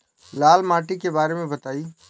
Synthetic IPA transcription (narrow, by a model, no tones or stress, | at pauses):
laːlmaːʈikebaːɾemẽbɐt̪aːiː